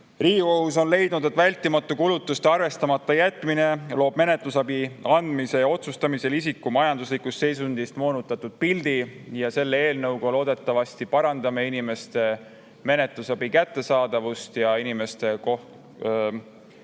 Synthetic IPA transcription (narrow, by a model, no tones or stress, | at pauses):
riːɡiko̞huso̞nle̞jd̪̥nud̪e̞t̪ːˑvælʲt̪ːˑimɑt̪ːˑukulut̪ːˑust̪eɑrve̞st̪ɑmɑt̪ːˑɑjæt̪ːˑmine̞lo̞ːb̥me̞ne̞t̪lusɑbiɑnd̪̥mise̞jɑo̞t̪sust̪ɑmise̞lisikːˑumɑjɑnd̪̥uslikːˑust̪se̞js̬und̪̥ist̪mo̞ːnut̪ːˑɑt̪ːˑud̪̥̚pild̪̥ijɑse̞lːee̞ːlnɤwɡ̥olo̞ːd̪e̞t̪ːˑɑvɑsʲt̪ipɑɾɑnd̪ɑme̞inime̞st̪e̞ | me̞ne̞t̪ˑlusɑb̥ikæt̪ːe̞sɑːd̪̥ɑvust̪jɑinime̞st̪e̞ko